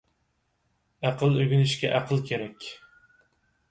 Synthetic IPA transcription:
æqʰəlˠøɡʲynɪʃkʲɛ̰ʔæqʰəlˠkʲʰeɾɛkʲ

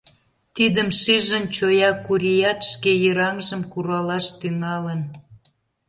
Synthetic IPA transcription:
t̪id̪əmʃiʒənt͡ɕojɑkuɾʲijɑt̪ʃkejəɾɑŋʒəmkuɾɑlɑʃt̪yŋɑlən

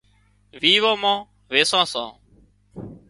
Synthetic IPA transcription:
ʋiːʋãːmãː | ʋeːsãːsã̰ː

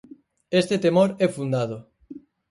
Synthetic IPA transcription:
est̪et̪emoɾɛfund̪aðʊ

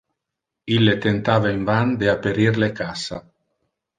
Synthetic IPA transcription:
ilːet̪ent̪aːvaiɱvand̪eapːeɾirlekasa

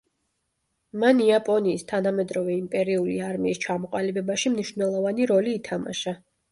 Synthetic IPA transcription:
maniapʼɔniːst̪ʰanamɛd̪ɾɔvɛimpʼɛɾiuliaɾmiːst͡ʃʰamɔqʼalibɛbaʃimniʃvnɛlˠɔvaniɾɔliːt̪ʰama̰ʃa

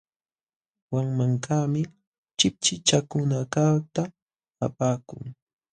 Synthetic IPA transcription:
waŋmaŋkaːmɪ | t͡ʃɪp̚t͡ʃɪt͡ʃakʊnakat̪a | apaːkʊ̰ŋ

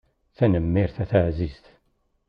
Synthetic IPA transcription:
θænəmːiɾθæθaʕzizθ

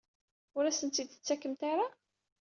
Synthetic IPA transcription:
ʊɾæsənt̪id̪ə̥t͡sːækːəmt̪aɾa

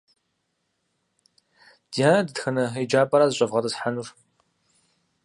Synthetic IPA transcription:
d̥ijaːnɐdɨtxɐnɐed͡ʒaːpʼɐɾaːzɨɕʼɐvʁɐdɐsħanur

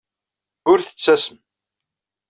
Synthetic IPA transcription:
ʊɾθə̥t͡sːæsəm

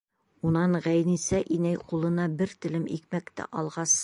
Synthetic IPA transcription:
unɑɴʁæjnisæʔinæjqulˠɤ̆nɑbɘɾt̪ɘ̆lɘmḭkmækt̪æ̰ʔɒlˠʁɑs

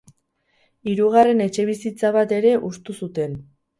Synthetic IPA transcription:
iɾuɣ̞are̞ne̞t͡ʃe̞β̞isit͡saβ̞at̪e̞ɾe̞ʔust̪usut̪e̞n

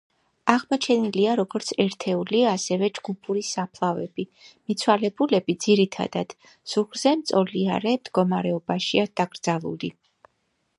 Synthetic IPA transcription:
aʁmɔt͡ʃʰɛniliaɾɔɡɔɾt̪sʰɛɾt̪ʰɛuliaːsɛvɛd͡ʒɡ̥upʰuɾisapʰlˠavɛb̥imit̪sʰwalɛbulɛbid̪z̥iɾit̪ʰa̰d̪̥ad̪̥ | suχɾz̥ɛmt̪sʼɔlia̰ɾɛmd̪ɡɔmaɾɛɔbaʃiad̪̥aɡ̥ɾd̪zalˠṵli

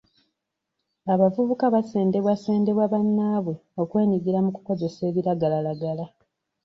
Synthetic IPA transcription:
aβavuβukaβase̞ːnde̞βwase̞ːnde̞βwaβanːaːβwe̞o̞kwe̞ːniɡiɾamuku̥ko̞ze̞se̞ːβiɾaɡalalaɡala

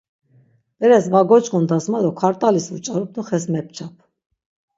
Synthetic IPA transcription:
d̪ɛɾɛsvaɡɔt͡ʃʼkʼund̪asmad̪ɔkʰaɾt̪ʼalisvut͡ʃʼaɾup̚ʰnuχɛsmɛp̚t͡ʃʰap̚ʰ

